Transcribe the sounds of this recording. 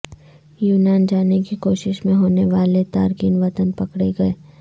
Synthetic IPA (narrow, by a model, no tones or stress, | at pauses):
juːnaːnd͡ʒaːnekikoːʃɪʃmẽɦoːneʋaːlet̪aːɾkiːnʋɐt̪ənpɐkɽeɡɐeː